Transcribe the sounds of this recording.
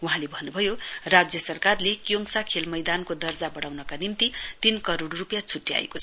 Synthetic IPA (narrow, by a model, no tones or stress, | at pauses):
uɦãlebʱʌnːubʱʌjorad͡zjʌsʌrkarlekjoŋsakʰelmʌjd̪ankod̪ʌrd͡zabʌɽawnʌkanimt̪it̪inkʌɾoɽrupjat͡sʰuʈːia̰ḛkot͡sʰʌ